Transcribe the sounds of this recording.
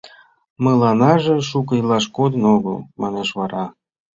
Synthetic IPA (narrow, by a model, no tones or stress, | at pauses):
məlˠɑnɑʒĕʃukəilɑʃkod̪ə̆noɣəlmɑ̰neʃβɑɾɑ